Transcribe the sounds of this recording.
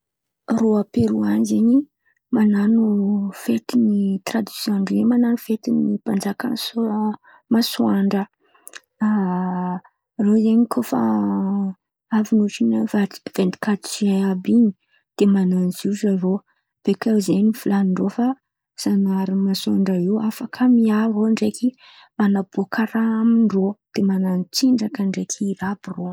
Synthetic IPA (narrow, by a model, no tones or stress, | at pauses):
roapeɾuanzeɲi | mananufet̪init̪rad̪i̥sjɔ̃ɳɖ͡ʐimananufet̪inipand͡zaka̰ns | masuaɳɖ͡ʐə | a | rozeɲikʰofa̰ | avinuʈ͡ʂinəvai̥v̥end̪i̥kat̪saabini | d̪̥emananzizaro | b̥ekazenifilaniɳɖ͡ʐofa | z̥anaɾimasuaɳɖ͡ʐaiwafakʰəmiaroɳɖ͡ʐeki | manabuakʰaɾamiɳɖ͡ʐod̪̥emananit͡siɳɖ͡ʐakəɳɖ͡ʐekʰːɾabiro